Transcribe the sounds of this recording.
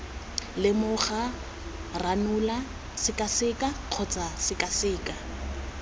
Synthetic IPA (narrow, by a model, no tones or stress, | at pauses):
lɪmʊχa | ranula | sɪkʼasɪkʼaq͡χʰɔt͡sʼasɪkʼasɪːkʼa